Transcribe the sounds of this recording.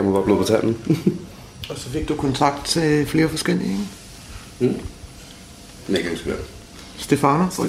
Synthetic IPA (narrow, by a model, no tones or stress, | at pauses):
æmoʋɑb̥leð̥ˠʁit͡sʰæn̰ən̩ | ɒ̽sɒ̽fe̝ɡ̥̚d̥ukʰɒ̽nt͡sʰɑ̈ɡ̥̚d̥̚t͡sʰe̝fle̝ːɐfɒ̽sɡ̥el̰ieŋ̩ | neɡ̥ænsɡ̥ʋæ̰d | sd̥e̝fɑno